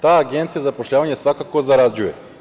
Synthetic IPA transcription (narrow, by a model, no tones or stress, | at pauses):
t̪aːaɡent̪sijazapoʃʎʲaːʋaɲesʋakakozaɾad͡ʑuje